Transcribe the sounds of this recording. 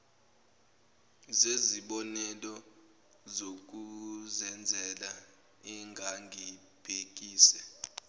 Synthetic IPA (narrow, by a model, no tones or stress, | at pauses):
zeziɓɔnɛlɔ | zok̬ʼuzɛnd͡zʱɛla | ɛŋɡʱaŋɡʱi | b̥ʱek̬ʼiːsɛ